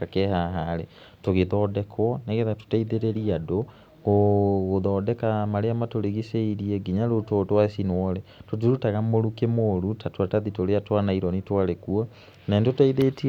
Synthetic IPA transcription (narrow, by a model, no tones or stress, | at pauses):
akɛhaɦaɾe | toɣeðɔdɛkʰwɔneɣeðato̥taiðeɾeɾiado | ɣoɣoðɔːdɛkamaɾeamatoleɣiseiɾieɡiɲalototwasinwɔɾetotuɾutaɣamoɾukemoɾutatwataðitoɾeatwanaiɾɔnitwaɾekua | nandotaiðeti